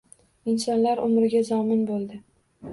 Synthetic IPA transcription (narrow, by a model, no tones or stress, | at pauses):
ɪnsɒnlaɾʔʊmɾɪɡʲazɒmɪnbolˠd̪ɪ